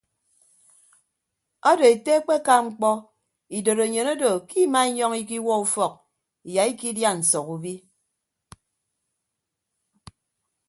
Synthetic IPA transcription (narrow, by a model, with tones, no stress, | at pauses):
ɔ˦do˨e˨te˦k͡pe˦ka˦ŋ͡m̩˦k͡pɔ˦ | i˨do˨ɾo˨ɲe˨no˦do˨ki˦ma˦i˦ɲɔ˦ŋi˦k̬i˦wɔ˦u˦fɔ˨k̚ | i˨ja˨i˦ki˦dja˦n̩˨sɔ˨ku˨bi˦